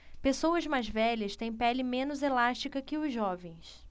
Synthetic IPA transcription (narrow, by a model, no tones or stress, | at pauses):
pesowɐzmajzvɛʎɐst̪ẽj̃pɛlɪmẽnʊzelaʃt͡ʃikɐkɪʊzːɔvẽj̃s